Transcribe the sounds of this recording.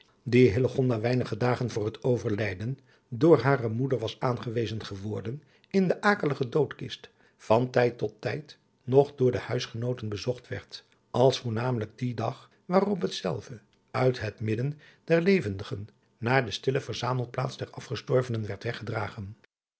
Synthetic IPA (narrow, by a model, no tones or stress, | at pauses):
diɦɪləχɔndaːʋɛjnəχədaːχənvʊːɹɦətowvəɹlɛjdən | dʊːɹɦaːrəmudəɹʋɑsaːnχəʋejzənχəʋɔːɹdən | ɪndəʔaːkələχədowtkɪst | fɑntɛjtɔtːɛjt | nɔχdʊːɹdəhœɥsχənowtənbəzɔχtʋɛ̰ɹt | ɑlˠsfuɹnaːmələɡ̚didɑχ | ʋaːrɔpɦətsɛ̰lˠvə | œɥtɦətmɪdən | d̥ɛɹlejvəndəχənː | aːdəstɪləvəɹzaːməlˠt̚pla̰ːtzdɛɹɑfχəstɔɹvənənʋɛɹtʋɛχədra̰ːχən